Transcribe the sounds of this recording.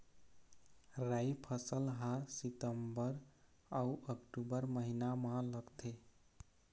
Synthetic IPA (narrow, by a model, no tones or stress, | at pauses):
ɾajpʰəsəlɦãsit̪əmbəɾ | auʔəkʈubəɾməɦinamãləɡt̪ʰe